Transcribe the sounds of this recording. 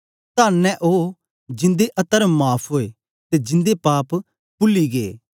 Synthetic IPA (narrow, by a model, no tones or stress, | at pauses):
t̪aːnnːɛ̃ʔoː | d͡ʒɪ̃nd̪eʔɐt̪əɾmaːpʰɦoːe | t̪ed͡ʒɪ̃nd̪epaːp | pʊlːiɡḛː